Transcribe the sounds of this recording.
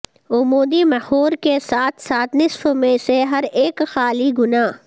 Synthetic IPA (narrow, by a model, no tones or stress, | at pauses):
ʊmoːd̪imɛhoːɾkesaːt̪ʰsaːt̪ʰnɪsfomẽseɦɐɾeːkxaːliɡʊnaː